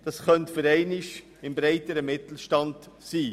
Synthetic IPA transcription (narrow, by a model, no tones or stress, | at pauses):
d̥ɑsχœntfəɾɛɪnɪʃ | ɪmbɾɛɪtəɾəmɪtl̩ʃtɑnd | siː